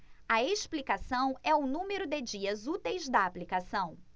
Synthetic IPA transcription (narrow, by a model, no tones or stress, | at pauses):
ɐeʃplikasɐ̃w̃ɛʊnũmeɾʊd̪ɪd͡ʒiɐzut̪ejzd̪ɐaplikasɐ̃w̃